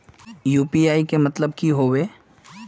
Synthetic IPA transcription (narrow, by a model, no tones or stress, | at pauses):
juːpiaːikemɐt̪ləb̚kiɦoːweː